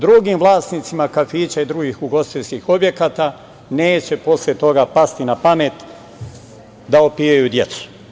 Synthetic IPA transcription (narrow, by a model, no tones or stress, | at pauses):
d̪ɾuɡimʋlˠaːsnit̪simakafiːt͡ɕaid̪ɾuɡiːxuɡo̞st̪iskixobje̞kaːt̪a | neːt͡ɕe̞po̞sljet̪o̞ɡapast̪inapame̞t̪ | d̪aopiːajud̪je̞t̪su̥